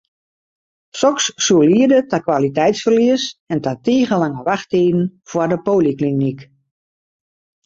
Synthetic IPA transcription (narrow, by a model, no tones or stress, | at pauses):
sɔksːuəliədətakwʋalitɛjtsfərliəsɛntatiːɣəlaŋəʋaxteːdn̩v̥wardəpoːliklinik